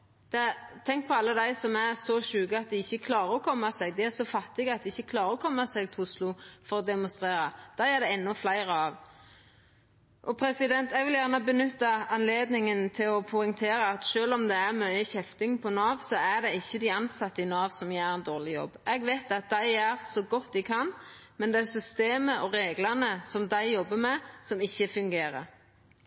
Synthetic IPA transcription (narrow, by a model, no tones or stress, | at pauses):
d̪̥ɛt̪ʰɛŋk̚pʰɔɑlːəd̪æɪsɔmæɾsɔʃʉːɡəɑt̪̚d̪ɛɪçːəkʰlɑːɾəɔkʰɔmːɑsɛɡ̚d̪ɛæsɔfɑt̪ːɪɡəɑt̪̚d̪ɛɪçːəkʰlɑːɾəɔkʰɔmːɑsɛɡ̚t̪ʰʊslʊfɔʁɔd̪ɛmʊnst̪ʁeːɾɑd̪̥æɪæd̪ɛɛnːʊflæɪɾəɑʋ | ʔɔpʰɾɛsɪd̪ɛnt̪ɛɡʋɪljæːʁnəbənʏt̪ːɑɑnleːd̪nɪŋənt̪ʰɪlɔpʰʊɪŋt̪ʰeːɾəɑt̪ʃøːlɔmd̪ɛæʁmœʏəçɛft̪ɪŋpʰɔnɑːʋsɔæd̪ɛɪçːəd̪ɪɑnsɑt̪ːəɪnɑːʋsɔmjæɾɛnd̪oːʁlɪjɔ̰bːɛɡʋɛɪt̪ɑt̪̚d̪æɪæʁsɔɡɔt̪d̪ɪkʰɑnmɛnd̪ɛæsʏst̪eːməʔɔɾeːɡlɑnəsɔmd̪æɪjɔbːəmɛsɔmɪçːəfʉŋɡeːɾə̰ɾ